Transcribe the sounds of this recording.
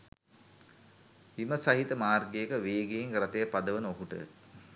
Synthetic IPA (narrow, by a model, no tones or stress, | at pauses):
iməsɐɦit̪əmaːrɡejːkəʋeːɡejiŋɡrɐt̪ɐjəpɐd̪əʋənoɦuʈə̰